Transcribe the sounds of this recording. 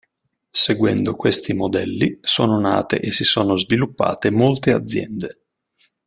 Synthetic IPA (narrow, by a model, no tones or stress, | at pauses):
seɡwɛ̰nd̪okwest̪imod̪ɛlːisoːnona̰ːt̪ḛʔesisoːnozvilupːa̰ːt̪emolt̪ead̪zːjɛ̰nd̪e